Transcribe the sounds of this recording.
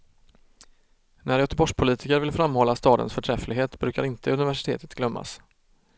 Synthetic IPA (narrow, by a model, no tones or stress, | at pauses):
næɾjœt̪əbɔʂpʰʊliːt̪ɪkəɾvɪlfɾamːhɔlːast̪ɑːd̪ə̰nsfœʈʰɾɛflɪɡɦeːt̪bɾʉ̟ːkaɾɪnt̪əɵnɪvæʂɪ̥t̪ʰḛːt̪ə̥t̪ɡlœmːa̰s